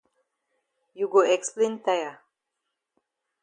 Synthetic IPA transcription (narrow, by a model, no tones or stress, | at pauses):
juɡoɛksplẽnt̪aja